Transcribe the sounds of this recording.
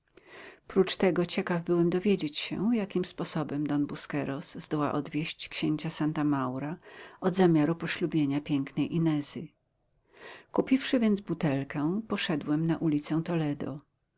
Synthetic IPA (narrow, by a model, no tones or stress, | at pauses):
pɾut͡ʂt̪ɛɡɔt͡ɕɛkavbɘwɛmd̪ɔvʲjed͡ʑet͡ɕɕɛ̰jakʲimspɔsɔbɛmd̪ɔnbuskɛɾɔz̥zd̪ɔwa̰ʔɔd̪vʲjeɕt͡ɕkɕeɲt͡ɕasant̪amawɾaʔɔd̪zamʲjaɾupɔɕlubʲjeɲapʲjɛŋknɛjʔinɛzɘ | kupʲifʂɘvʲjɛnd̪zbut̪ɛlkɛ̃pɔʂɛd̪wɛmnaʔulʲit̪sɛw̃t̪ɔlɛd̪ɔ̰